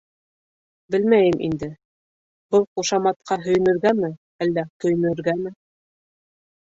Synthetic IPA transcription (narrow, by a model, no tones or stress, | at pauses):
bɘlmæjɘmʔḭnd̪ɘ | bɤlˠχuʃɑmɑt̪̚qɑɦɵ̆j̆nɵ̆ɾɡæmɘ | ælːækɵ̆jnɵ̆ɾɡæmɘ